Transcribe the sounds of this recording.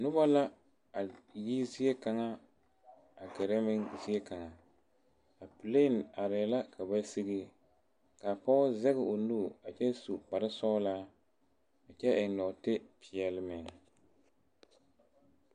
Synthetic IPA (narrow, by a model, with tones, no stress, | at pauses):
nʊ˦ba˦la˦ | a˨ji˦zi˦ɛ˦ka˨ŋa˦ | a˨ɡɛ˨ɾɛ˦mɪ˦ŋzi˦ɛ˦ka˨ŋa˨ | a˨pɨ˨le˦˨na˨ɾɪ˨la˦kʰa˨ba˦si˦ɡɪ˦ | ka˨pɔ˦ʊ˦zɛ˦ɣɪ˨o˨nuː˦˨a˨t͡ʃɛ˦su˨k͡pa˨ɾɪ˦sɔː˦laː˦ | a˨t͡ʃɛ˦ʔɪ˨ŋnɔ˨tɪ˦pʰɪ˨ɛ˨lɪ˦mɪ˨ŋ